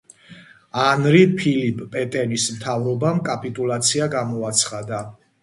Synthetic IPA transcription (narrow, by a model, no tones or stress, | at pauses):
anɾipʰilipʼpʼɛt̪ʼɛnismt̪ʰavɾɔbamkʼapʼit̪ʼulat̪sʰiaɡamɔat̪sʰχad̪a